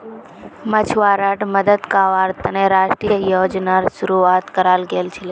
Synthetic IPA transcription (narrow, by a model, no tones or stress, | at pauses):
mət͡ʃʰʋaːɾəʈməd̪əd̪kaːʋaːɾt̪əneɾaːʃʈɾijəjoːd͡ʒnaɾʃʊɾuaːt̪kəɾaːlɡeːlt͡ʃʰɪle